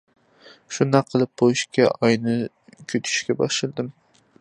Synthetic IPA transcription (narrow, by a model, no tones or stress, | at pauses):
ʃunɑqʰːəlˠɨp̚bojiʃkʲɛʔɑjnɨ | kʲʰyt̪ʰy̥ʃkʲɛbɑʃlɨlˠd̪ɨm